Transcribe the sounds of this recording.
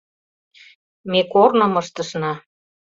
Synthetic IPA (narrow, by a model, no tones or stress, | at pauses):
mekornə̆mɤʃt̪ə̆ʃnɑ